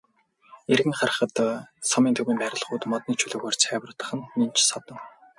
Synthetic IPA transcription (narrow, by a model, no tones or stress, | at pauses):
erɣɘ̆ŋχarə̆χə̆t̪sɔmiːnt̪ʰɵwiːmpæɾʲɪ̆ɮχʊːt̪mɔt̪̚niːt͡ɕʰɵɮɵːɣɔːrt͡sʰæːwr̆ʰt̪ə̥̆χə̆nːint͡ɕsɔt̪ɞ̆w